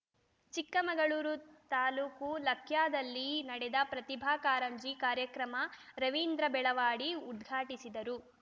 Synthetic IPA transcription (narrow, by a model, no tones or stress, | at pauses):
t͡ʃikːɐmɐɡɐɭuːɾut̪aːluːkulɐkʰjaːd̪ɐlːinɐɽɛd̪ɐpɾɐt̪ibʱaːkaːɾɐmd͡ʒikaːɾjɐkɾɐmɐɾɐʋiːnd̪ɾɐbɛɭɐʋaːɽiud̪ɡʱaːʈisid̪ɐɾu